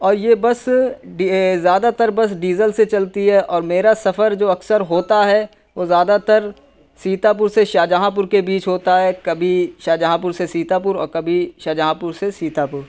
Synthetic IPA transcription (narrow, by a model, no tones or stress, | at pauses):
ɔːɾjebɐsɖzjaːd̪at̪əɾbɐs̬ɖiːzəlset͡ʃɐlt̪iɦɛʔɔːɾmeːɾasɐfəɾd͡ʒoːɐksəɾɦoːt̪aɦɛ | ʋoːzjaːd̪at̪ɐəɾ | siːt̪ap̬ʊɾseʃaːd͡ʒaɦãp̬ʊɾkebiːt͡ʃɦoːt̪aɦɛkɐbʱiʃaːd͡ʒaɦãp̬ʊɾsesiːt̪ap̬ʊɾɔ̰ːɾkɐbʱiʃaːd͡ʒaɦãpʊɾsesiːt̪ʰapʊɾ